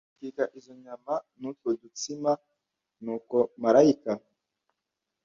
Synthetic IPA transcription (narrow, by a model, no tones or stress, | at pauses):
kikaʔizo̞ɲamanutwodut͡sima | nuːko̞maɾaika